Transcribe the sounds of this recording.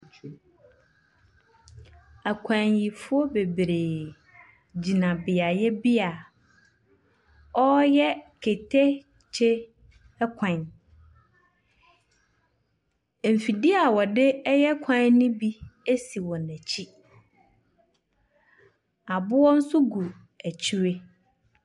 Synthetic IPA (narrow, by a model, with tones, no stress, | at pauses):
æ˨kʷʰã˨ɲji˨fʊ˦ɔ˦be˨bɾe˨ | d͡ʑi˨nã˨bɪ˨a˨jɛ˦bi˦a˨ | ɔ˦jɛ˦kʰe˨tʰe˦ | t͡ɕʰe˦ | kʷʰã˨n˨ | m̩˨fi˨dɪ˦a˨wɔ˨dɪ˦jɛ˦kʷʰã˦n˦nʊ̃˦bi˦e˦si˨wɔ̃˨næ̃˨t͡ɕʰi˦ | a˨bʊ˦wɔ˦n̩˦sʊ˦ɡu˨ | æ˨t͡ɕʰi˦ɾe˦